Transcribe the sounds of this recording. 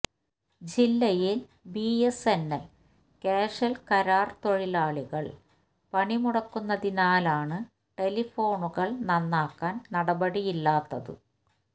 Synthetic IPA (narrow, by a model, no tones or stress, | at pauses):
d͡ʑilːɐjil | biːesenːɐl | keːʂɐlkɐɾaːrt̪o̞ɻilaːɭiɣɐɭ | pɐɳimuɽɐkːunːɐðinaːlaːɳɨ | ʈe̞lifo̞ːɳuɣɐɭnɐnːaːkːaːnnɐɽɐbɐɽijilːaːt̪ːɐðɨ̰